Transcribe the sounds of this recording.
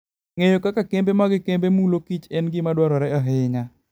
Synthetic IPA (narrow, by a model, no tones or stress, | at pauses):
ŋejokakakembemaɡɪkembemulokit͡ʃɛnɡɪmadwɔɾɔɾɛaɦɪɲa